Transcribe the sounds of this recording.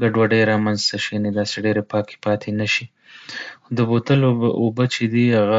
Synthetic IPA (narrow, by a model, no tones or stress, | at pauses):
ɡaɖwaɖəjɾɑmanzt̪aʃijɑned̪ɑseɖeɾepɑke̥pɑt̪ʰenaʃi | xod̪əbot̪əloobət͡ʃed̪ihaɣa